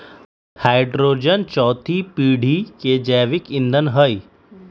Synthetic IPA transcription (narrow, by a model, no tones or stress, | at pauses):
haːɪɖɾoːd͡ʒənt͡ʃɔːt̪ʰipiːɽ̤ʱiked͡ʒɛːʋɪkɪ̃nd̪ənɦəi